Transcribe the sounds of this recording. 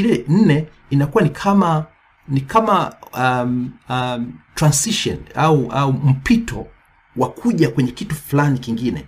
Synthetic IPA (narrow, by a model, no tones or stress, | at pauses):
ilɛn̩nɛ | inakuwanikʰama | nikama | m | tɾansiʃɔ̰nauʔaum̩pitɔ̰ | wakʰuʄakwɛɲɛkituflanikiŋɡinɛ̰